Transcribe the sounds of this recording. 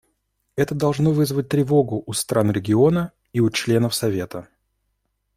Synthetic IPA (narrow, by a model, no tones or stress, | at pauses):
ɛt̪əd̪ɐlˠʐno̞vɨzvət̚ʲt̪ɾʲɪvo̞ɡʊʔːst̪ɾanɾʲɪɡʲɪo̞nə | iʊt͡ɕlʲe̞nəfsɐvʲe̞t̪ə